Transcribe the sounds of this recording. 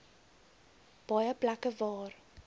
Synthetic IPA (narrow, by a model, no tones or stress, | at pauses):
b̥ɐjəblakəvɑːr